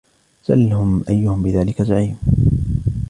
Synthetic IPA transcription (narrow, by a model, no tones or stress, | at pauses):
z̥alhʊmʔajːʊhʊmbɪðaːlɪkazaʕiːm